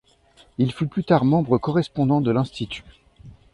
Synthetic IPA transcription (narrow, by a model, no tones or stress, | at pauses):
ilfyplyt̪aʁmɑ̃bʁəkɔʁɛspɔ̃d̪ɑ̃d̪əlɛ̃st̪it̪ʰy̥